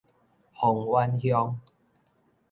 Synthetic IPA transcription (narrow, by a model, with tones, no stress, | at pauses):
hɔ˨˩ŋwa˦nhjɔ˧ŋ